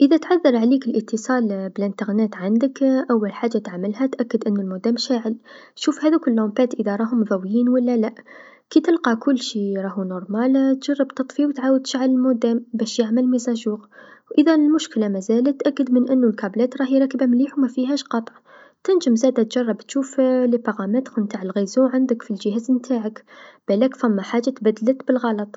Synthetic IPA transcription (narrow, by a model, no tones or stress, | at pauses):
ʔəðæt̪ʕaðːɑɾˤʕaliːkɪlʔət̪ʰːəsˤɑːlbɪlɪnt̪ɑɣnæːt̪ʕand̪əkʔawːalħaːʒːat̪aʕmɪlɦæt̪ʔakːɪd̪ʔɪnːʊlmod̪æːmʃaːʕɪlʃuːfhæːðukʊlːombæːt̪ʔəðaɾˤɑːɦʊmðˤɑwjiːnwalːælaʔ | kit̪ɪlqɑkʊlːʃiːɾˤɑːhunʊɾˤmaːlt̪ʒ̥ɑrˤːɑbt̪ɑt̪ˤfiwt̪ʕaːwəd̪̚t̪ʃaʕalɪlmod̪æːmbæʃjaʕməlmizæʒuːɣwʔəðælmʊʃkəlamæzæːlæt̪ːʔækːəd̪mənʔənːulkɑblæːt̪ɾˤɑːhiɾˤɑkbæmliːħumæfiɦæʃqɑt̪ˤʕ | t̪ɪnʒəmzæːd̪æt̪ʒ̥ɑrˤːɑbt̪ʃuːflipɑɣɑmæt̪knt̪aʕəlɣizuwʕand̪əkfilʒəhæːzmt̪ʰaːʕəkb̥ælækfæmːaħaːʒːat̪bæd̪lət̪bəlɣɑlɑt̪ˤ